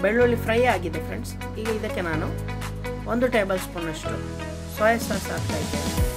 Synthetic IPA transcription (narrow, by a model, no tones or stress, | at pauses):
beɭːuɭːipɾɐjaːɡid̪ːefɾḛɳɖs | iːɡɐid̪ɐkːe̞naːnu | ond̪uʈeːbɐlspunːɐʂʈu | sɔːjɐsɐːsaːnt̪aːjid̪ḛi